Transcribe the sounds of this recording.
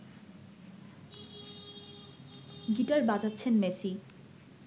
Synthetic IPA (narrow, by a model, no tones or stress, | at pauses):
ɡitaɾbad͡ʑat̪ːɕʰenmesi